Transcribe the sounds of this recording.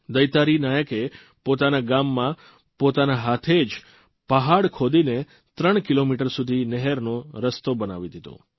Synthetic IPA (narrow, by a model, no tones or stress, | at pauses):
d̪əjt̪aɾinajəke | pot̪anaɡamːã | pot̪anaɦat̪ʰed͡ʒ | pəɦaɽkʰod̪ine | t̪ɾəɳ̃kilomiʈəɾsud̪ʱinɛɦɛɾnoɾəst̪obənaʋid̪ʱit̪o̰